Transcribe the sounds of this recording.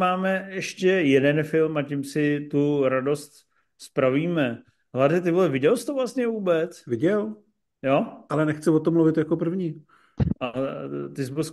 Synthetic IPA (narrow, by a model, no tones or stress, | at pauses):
maːmɛɛʃcɛjɛdɛnfɪlmacimsɪt̪uɾado̞st̪ | spɾaviːmɛ | ɦladɛt̪ɪvoɛvɪɟɛlsɪ̥t̪ovlast̪ɲɛvuːbɛt͡svɪɟɛl | joʔalɛnɛxt͡sɪvot̪omluvɪt̪jako̞pr̩vɲiː | ʔat̪ɪzbos